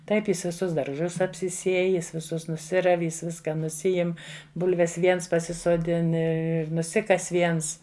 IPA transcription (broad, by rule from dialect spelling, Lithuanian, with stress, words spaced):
ˈtɐɪp ˈjɪs ʋʲɪˈsʊs dɐrˈʒʊs ɐpʲsʲɪˈsʲiɛj ˈjɪs ʋʲɪˈsʊs nʊˈsʲɪrɐw ˈjɪs ˈʋʲɪskɐ nʊˈsʲɪɪm ˈbʊlʲʋʲɛs ˈʋʲiɛns pɐsʲɪsoːˈdʲɪn ɪr ɪr nʊˈsʲɪkɐs ʋʲiɛns